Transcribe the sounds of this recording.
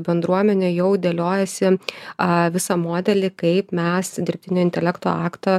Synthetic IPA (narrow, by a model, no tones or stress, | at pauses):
bʲɛnd̪ɾuɔmʲɛnʲeːjɛʊd̪ʲeːlʲoːjɛsʲɪ | ʋʲɪsɐmoːd̪ʲɛlʲɪkɐɪpmʲɛsd̪ʲɪɾʲpʲt̪ʲɪnʲoːɪnt̪ʲɛlʲɛkt̪o̰ːɑːkt̪ɐ